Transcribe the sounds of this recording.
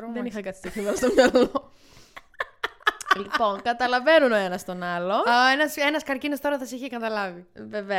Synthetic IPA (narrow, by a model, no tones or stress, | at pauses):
ɾoðenixɐkɐt̪ʰist̪ifimɐlɐst̪omɲɐlo | lipo̞nkɐt̪ɐlɐve̞nuno̞enɐst̪o̞nɐlo̞enɐse̞nɐskɐɾcinost̪o̞ɾɐθɐsiçekɐt̪ɐlɐvive̞ve